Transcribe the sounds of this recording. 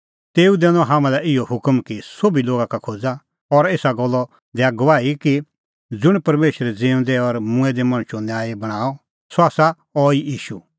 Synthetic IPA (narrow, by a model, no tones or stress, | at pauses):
t̪eːud̪ɛːnɔ̃ɦãːmãlɛɪjɔɦʊkmkisobiloːɡakakʰoːd͡za | ɔɾeːsaɡɔlːɔ | d̪ɛaɡɔʋaːiki | d͡zʊɽ̃pɐɾmeːʃəɾɛd͡zeːʊ̃nd̪ɛɔɾmʊ̃ɛd̪ɛmɐ̃ɽ̃ʃonjaːebɐɽ̃aːɔ | sɔaːsa | ɔijiːʃu